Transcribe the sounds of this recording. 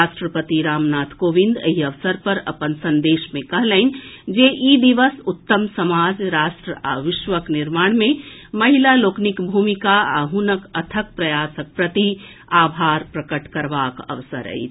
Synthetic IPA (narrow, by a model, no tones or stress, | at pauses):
aʃʈɾəpət̪iɾaːmnaːt̪ʰkoːʋĩnd̪ḛɦiəʋsəɾpəɾə̰pənsənd̪eːʃmẽkəɦləɪnd͡ʒeʔid̪iʋəsut̪ːəmsəmad͡ʒɾaːʃʈɾəaʋɪʃʋəkniɾmaːɽ̃mẽməɦilaloːknikbʱumikaaɦunəkət̪ʰək̚pɾəjaːsək̚pɾət̪i | aːbʱaːɾpɾəkəʈkəɾʋakə̰ʋsə̰ɾə̰ḭt͡ʃʰ